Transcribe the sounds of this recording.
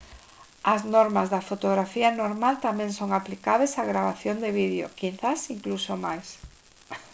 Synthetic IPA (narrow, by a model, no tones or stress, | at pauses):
ɐznɔɾmazðɐfot̪oɣ̞ɾafianoɾmalt̪amɛ̃ŋsoŋaplikaβesaɣɾaβaθjond̪eβiðeo̰kinθasiŋklusomajs